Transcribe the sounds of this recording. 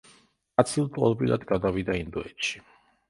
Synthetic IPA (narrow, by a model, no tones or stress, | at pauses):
at̪sʰilˠt̪ʼɔ̰lˠbɾḭlˠa̰d̪ɡad̪avid̪aind̪ɔɛt̪ʃi̥